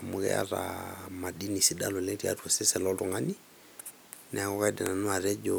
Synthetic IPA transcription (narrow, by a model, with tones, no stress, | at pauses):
mʊ˨ɣɛ̰˦a̰˦ɾa̰ma˨di˦ni˨si˦da˦lɔ˨lɛ˦ɾi˨a̰˦tɔ˨se˦sɛ˨lɔtɔ˨ŋa˦ni˦ | nɛ˨a˨kɔ˦ka˦dɛ˨na˨nwa˨ɾɛ˦d͡ʒo